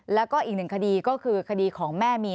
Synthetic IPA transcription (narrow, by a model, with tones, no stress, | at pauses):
lɛː˦˥wkɔː˥˩ʔiː˨˩k̚nɯ˨˩ŋkʰa˧diː˧kɔː˥˩kʰɯː˧kʰa˧diː˧kʰɔː˩˦ŋmɛː˥˩miː˧